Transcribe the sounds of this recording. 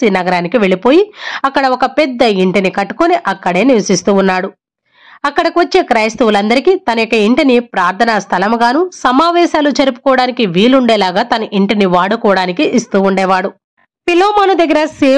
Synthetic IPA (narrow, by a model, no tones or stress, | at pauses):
inɐɡɐɾaːnikiʋe̞ɭipo̞ːjiɐkːɐɽɐɔkɐpɛd̪ːɐiɳʈinikɐʈːu̥koniʔɐkːɐɽe̞ːniʋɐsist̪uːnːaːɽu | ɐkːɐɽɐkiʋɐt͡ʃːeːkɾɐːjst̪uʋulɐnd̪ɐɾikit̪ɐnɐjokːɐiɳʈinipɾaːɾt̪ʰɐnast̪ʰɐlɐmɐɡaːnusɐmaːʋɛːʃaːlut͡ʃɐɾipu̥kɔːʋɐɽaːnikiʋiːluɳɖɛːlaːɡaːt̪ɐnɐʔiɳʈiniʋaːɽukɔːʋɐɽaːnikiʔːst̪uːuɳɖɛːʋaːɽu | piloːmaːnud̪ɐɡːɐɾɐseː